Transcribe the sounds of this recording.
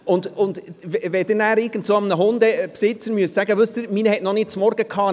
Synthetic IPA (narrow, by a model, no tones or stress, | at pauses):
ʊnd̪ʊnd̪vɛvɛd̥̪ɛnæːɾɪɾɡ̥ən̩tsoːɑmnəɦʊnd̪əpsɪt͡sənmyəssæɡəʋøst̪əɾminəhɛtnɔnɪt̚t͡smɔɾɡ̥əkʰɑː